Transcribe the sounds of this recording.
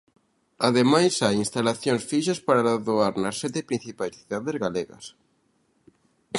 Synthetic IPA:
aðemajsajinst̪alaθjõŋsfiʃaspaɾalaðoaɾnɐsːɛt̪epɾĩn̟θipajsθiðaðezɣaleɣɐ̰s

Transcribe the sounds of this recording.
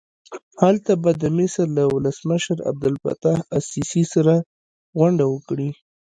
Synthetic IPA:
halt̪abad̪əmɪsəɾlawʊləsməʃəɾa̰b̚d̪ʊlfa̰t̪ahasisisaɾa | ɣwaɳɖawəkɽi

